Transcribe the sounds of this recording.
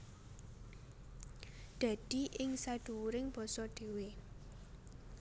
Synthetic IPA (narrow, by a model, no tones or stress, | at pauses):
d̥a̤d̥i̤ʔɪŋsad̥ṳwuɾɪŋb̥ɔ̤sɔɖ̪̥e̤we